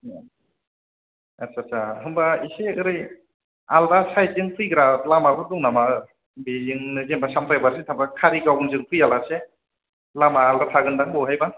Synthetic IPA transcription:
asasaɦɯmbaiseɯɾɯj | aldasajzɯŋpʰɯjɡɯɾalamabɯduŋnamaɯ | bizɯŋnɯzembasamtʰajbaɾsetʰambakʰaɾiɡawɯnzɯŋpʰɯjalase | lamaːldatʰaɡɯndaŋbɔɦajba

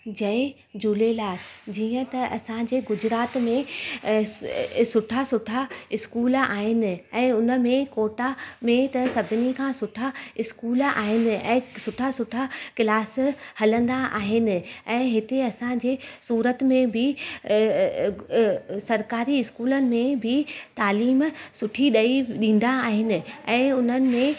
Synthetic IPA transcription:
d͡ʑɐɪ | d͡ʑuːlelaːɾd͡ʑiːə̃t̪ɐʔɐ̰sãd͡ʑeːɡʊd͡ʑɾaːt̪mẽ | sʊʈʰasʊʈʰaɪskuːla̰ːɦɪnɪ̆ɛ̃ːʊnə̆mẽkoːʈamẽt̪ɐsɐbʱɪnikʰãːsʊʈʰaɪskuːla̰ːɦɪnɪ̆ɛ̰̃ːsʊʈʰasʊʈʰakɪlaːshɐlə̃nd̪aʔa̰ːɦɪnɪ̆ɛ̃ːɦɪt̪eɐsãd͡ʑeːsuːɾət̪mẽbʱɪ | sɐɾkaːɾiɪskuːlənɪ̆mẽbʱɪt̪aːliːmsʊʈʰiɗɐiɗĩːn̆d̪aːɦɪnɪ̆ɛ̃ːʊn̤ənɪ̆mẽ

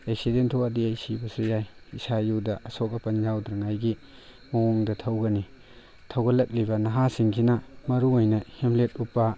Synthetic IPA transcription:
ek̚sidentʰoɐdiajsibɐsujajisajuwdɐʔɐsok̬̚ɐpɐnzawdɾɐŋajɡi | moŋɔŋdɐtʰɐwɡɐni | tʰɐwɡɐlɐk̚libɐnɐɦasiŋkʰinɐmɐɾuojnɐhimlet̚upːɐ

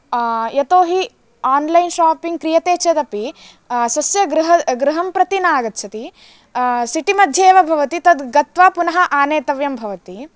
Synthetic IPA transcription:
jɐt̪oːɦi | aːnlɐjnʃaːpiŋɡ̚kɾijɐt̪eːt͡ʃeːd̪ɐpi | sɐsjɐɡɾuɦɐɡɾɪɦɐmpɾɐt̪inaːɡɐt̪t͡ʃʰɐt̪i | siʈimɐd̪ʱjeːʋɐbʱɐʋɐt̪it̪ɐd̪ɡɐt̪ʋaːpunɐɦɐ̆ʔaːneːt̪ɐʋjɐmbʱɐʋɐt̪i

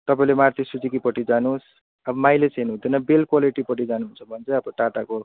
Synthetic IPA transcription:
t̪ʌpaĩlemart̪isut͡sikipʌʈid͡zanus | ʌbʌmajlet͡senɦũt̪ʰinʌbelkwaliʈipʌʈ̬id͡zanuɦunt͡sʰʌbʱʌnt͡sʌ̃ʌbʌʈaʈako

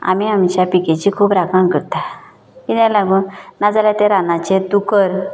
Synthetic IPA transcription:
a̰miamt͡ɕjapiket͡ɕikʰuːpɾakaŋkəɾt̪a | id̪ãlaɡuːnnad͡zaljat̪eɾanat͡ɕet̪ukəɾ

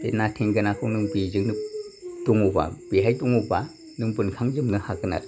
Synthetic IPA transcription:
enatʰeŋɡɯnakʰuŋnɯŋbizɯŋnɯtuŋuba̰b̥iɦajtuŋuba | nɯŋbɯnkʰaŋzɯmnɯhaɡɯna̰t

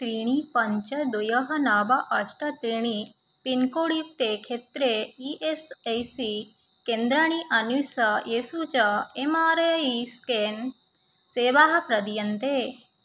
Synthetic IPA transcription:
t̪ɾiɳ̃ipɐɲt͡ʃɐd̪ujɐɦɐnaːbɐʔɐʃʈɐt̪ɾiɳ̃i | pinkoɽik̚t̪ekʰet̪ɾeiʔesejsi | kend̪ɾaɳ̃iʔɐnusɐjesut͡ʃɐemaːɾɐjiskeːn | seːʋaɦɐpɾɐd̪jɐnt̪e

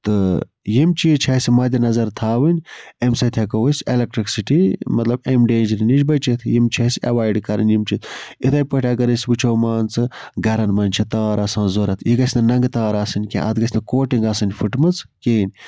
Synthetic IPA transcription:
t̪ɨ | jimt͡ʃʰit͡ʃʰasʲimɐːd̪ʲinɐzɐɾt̪ʰaːʋɨnʲemsɐt̪ʲʰɐkɐwɨsʲelek̚ʈɾiksiʈimɐt̪lɐbemɖeːnd͡ʒɐɾinid͡ʒbɐt͡ʃʰit̪ʰjimt͡ʃʰɐsɐʋaːjɖkɐɾɐ̰nʲjimt͡ʃʰit̪ʰit̪ʰɐjpɐʈʲɐɡɐɾɨsʲbɨt͡ʃʰoːmaːnt͡sɨɡɐɾɐnmɐnʲt͡ʃʰit̪ɐːɾaːsãːnzoːɾɐt̪ʰiɡɐsʲnɐnɐŋɡɨt̪aːɾaːsɨnʲkʲḛ̃ʔɐ̰t̪ɡɐsʲnɐkoːʈiŋɡaːsɨnʲfɨʈmɨt͡skeːnʲ

